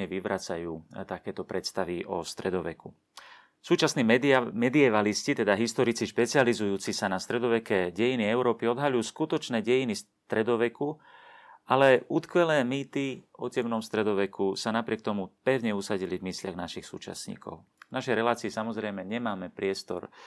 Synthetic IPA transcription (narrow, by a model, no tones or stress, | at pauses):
ɛʋiʋɾat͡sajuːt̪akɛːt̪ɔpɾɛt̪st̪aʋiʔɔst̪ɾɛd̪ɔʋɛ̰ku | suːt͡ʃasniːmmɛd̪iɛʋaliscit̪ɛd̪aɦist̪ɔɾit͡siʃpɛt͡sializujuːt͡sisanast̪ɾɛd̪ɔʋɛkɛɟɛjiniɛʊɾɔːpiɔd̪ɦalujuːskut̪ɔt͡ʃnɛːɟɛjinis | t̪ɾɛd̪ɔʋɛku | ʔalɛʔut̪kʋɛlɛːmiːt̪iɔcɛmnɔmst̪ɾɛd̪ɔʋɛkusanapɾɪɛk̚t̪ɔmupɛʊɲɛusaɟilivmislɪaɣnaʃixsṵːt͡ʃa̰sɲḭːkʰɔ̰ʊ | naʃɛjɾɛlaːt͡siːsamɔzɾɛjmɛɲɛmaːmɛpɾɪɛst̪ɔ̰ɾ